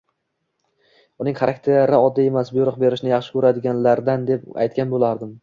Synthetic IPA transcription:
ʊnɪŋχaɾak̚ʲt̪ʰeɾɪɒd̪ːie̞masbʊjʊɾɨq̚be̞ɾɪʃnɪjɑχʃɪ̥kʲʰɵɾad̪ɪɡʲanlaɾd̪and̪e̞pa̰jt̪̚kʲanbolaɾd̪ɪm

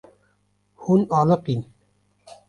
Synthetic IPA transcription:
hunɑːləqin

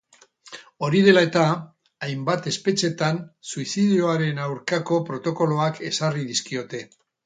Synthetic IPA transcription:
o̞ɾið̞e̞lae̞t̪a | ajmbat̪e̞spe̞t͡ʃe̞t̪ansuisiðio̞aɾe̞nawɾkako̞pɾo̞t̪o̞ko̞lo̞ake̞sariðiskio̞t̪e̞

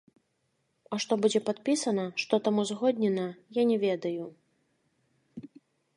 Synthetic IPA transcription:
ɐʂt̪ɔbud͡zʲɛpat̪̚pʲisɐnɐʂt̪ɔt̪amuzɣɔd̪ʲnʲɛnɐjanʲɛvʲɛd̪ɐju

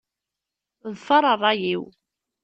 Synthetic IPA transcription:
ðfɑɾˤərˤːɑjiw

